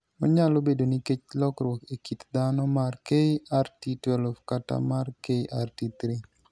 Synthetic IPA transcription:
ɔ̰ɲalobedoniket͡ʃlɔkɾwɔkekit̪d̪anɔmarkeartitwɛlofkata̰markeʔartit̪ɾi

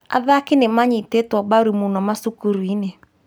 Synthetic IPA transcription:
a̰ðakenemaɲitetwɔbaɾimunɔmasukuɾwine

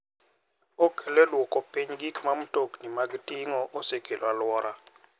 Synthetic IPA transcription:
ɔkʰɛlɛlwɔkʼɔpʰʼeɲɡikʰmam̩tʼoknimakitʼiŋɔʔɔsekʰʼelwalwɔːɾa

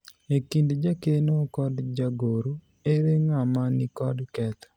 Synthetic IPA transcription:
ekindd͡ʒakenokɔdd͡ʒaɡoɾu | eɾeŋamanikɔdkɛt̪ɔ̥

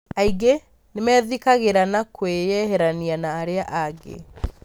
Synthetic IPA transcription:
aiɡe | nemɛðikaɣeɾanakwejɛɦɛɾanianaːɾeaʔaɡḛ

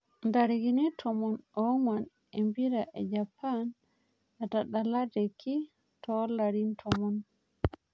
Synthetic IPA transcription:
ndaɾiɡinitʰɔmɔnɔwman | ɛmbiɾaʔɛd͡ʒapːan | adaɗaladɛkʰːi | tʰɔlaɾintʰɔmɔn

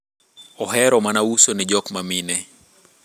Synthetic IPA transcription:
ɔɦɛɾɔmanausɔnid͡ʒɔkmaminɛ

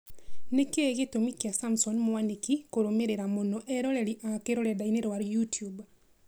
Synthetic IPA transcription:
nekeɣetomikjasamsɔnmɔwanikikoɾomeɾeɾamɔnɔʔɛɾɔlɛliʔakeɾɔlɛdaineɾwaɾjutjub

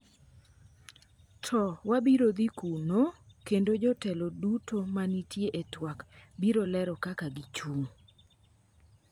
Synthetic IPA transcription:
tʰɔwabiɾod̪ikunokendod͡ʒɔtɛlodutʰomanitjeʔetwakbiɾolɛɾɔkakaɡit͡ʃuŋ

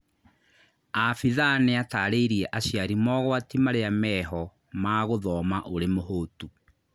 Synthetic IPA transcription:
afiðaneataːɾeiɾiɛʔaɕjaɾimɔɣwatimaɾeamɛɦɔ | maɣoðɔːmaʔoɾemohoːtu

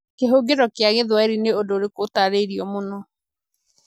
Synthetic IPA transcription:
keɦoɡeɾɔkjaɣeðwaeɾineodoːɾekotaɾeɾiɔmonɔ

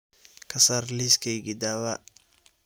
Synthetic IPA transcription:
kʰɐsarliːskʰɛjɡid̪aːβa

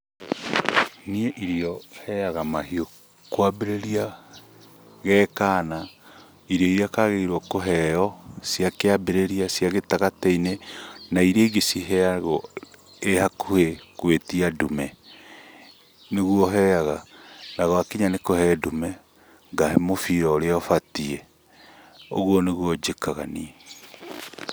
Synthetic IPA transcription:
nieʔiɾiɔhɛaɣamahio | kwabeɾeɾia | ɣɛːkaːna | iɾijɔiɾiakaɣeiɾwɔkoɦɛɔsjakeabeɾeɾiasjaɣetaɣatɛinenaiɾeɡesiɦɛaɣɔ | ehakuhekwetiadumɛ | neɣwɔɦɛaɣanaɣwakiɲanekohɛdumɛ | ŋɡahemofiɾɔɾeɔfatiɛ | o̰ɣwɔneɣwɔd͡ʒekaɣa̰ni

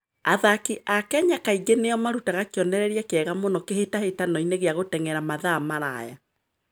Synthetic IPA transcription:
aðakiʔakɛɲakaiɡeneɔmaɾutaɣakeɔnɛɾɛɾiakeɛɣamonɔkehetahetanɔineɣeaɣotɛŋɛɾamaðaːmaɾa̰ja

